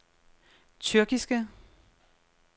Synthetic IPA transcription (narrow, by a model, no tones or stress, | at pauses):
t͡sʰyɐɡ̥isɡ̥ə